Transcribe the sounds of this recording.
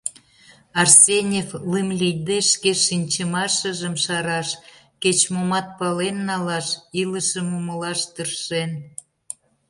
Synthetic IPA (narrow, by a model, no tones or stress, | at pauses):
ɑrsʲenʲeflɨmlʲijd̪eʃkeʃinʲt͡ɕəmɑʃəʒəmʃɑɾɑʃ | ket͡ɕmomɑt̪̚pɑlenːɑlɑʃiləʃəmuməlɑʃt̪ərʃen